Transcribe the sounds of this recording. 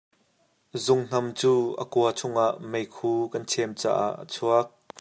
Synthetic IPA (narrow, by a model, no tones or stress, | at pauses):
zʊŋn̥ɐmt͡suːʔə̰kuɐt͡sʰʊŋʔaʔmejkʰuːkɐnt͡sʰɛmt͡sa̰ːʔa̰ʔːə̰t͡sʰuɐk̚